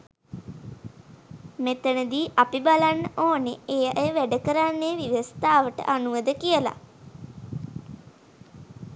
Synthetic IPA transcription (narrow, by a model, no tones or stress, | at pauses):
met̪ənəd̪iːʔapibalanːəʔoːneejaʔjəʋæɖəkəɾanːeʋiʋəst̪aːʋəʈə̰ʔanuʋəd̪əkijəla̰